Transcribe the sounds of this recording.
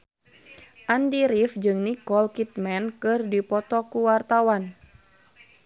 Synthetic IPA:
ʔandiɾifd͡ʒɨŋnikɔlkit̪mɛnkɨrdipɔt̪ɔkuwart̪awan

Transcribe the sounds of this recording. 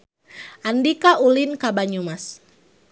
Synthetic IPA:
ʔandikaʔulinkabaɲumas

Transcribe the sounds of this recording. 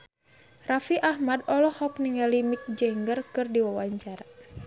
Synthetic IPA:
rafiʔahmadɔlɔhɔk̚niŋalimik̚d͡ʒɛŋɡərkɨrdiwawaɲt͡ʃaɾa

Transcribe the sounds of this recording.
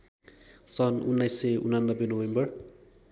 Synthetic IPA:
sʌnunːajsːʌṵnanːʌbːenowembʌr

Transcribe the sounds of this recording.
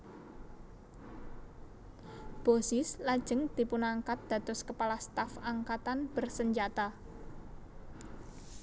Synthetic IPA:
b̥osɪslad̥d͡ʒ̥ə̤ŋd̪̥i̤punaŋkat̪̚d̪̥ä̤t̪ʊskəpalast̪afaŋkat̪anb̥ərsəɲd͡ʒat̪a

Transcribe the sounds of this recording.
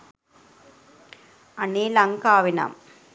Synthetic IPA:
ɐniːlɐŋkaːʋɪna̰m

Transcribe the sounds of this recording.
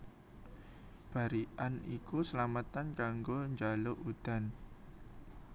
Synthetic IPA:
b̥a̤ɾiʔanikusəlamat̪ankaŋɡoɲd͡ʒaloʔud̪̥a̤n

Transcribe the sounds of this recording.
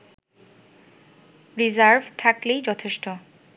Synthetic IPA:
ɾizaɾvt̪ʰaklejd͡ʑɔt̪ʰeʃʈo

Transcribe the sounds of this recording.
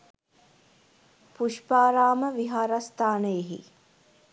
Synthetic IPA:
puʃpaːɾaːməʋiɦaːɾast̪ʰaːnəjeɦḭ

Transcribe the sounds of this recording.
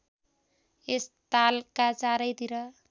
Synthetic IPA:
est̪alkat͡saɾʌjt̪iɾʌ

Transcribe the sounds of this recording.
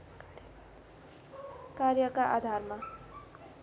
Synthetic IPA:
karjʌkaʔad̪ʱarma

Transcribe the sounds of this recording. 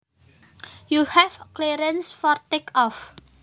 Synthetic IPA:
juhɛfkleɾənsfɔrt̪ekɔf

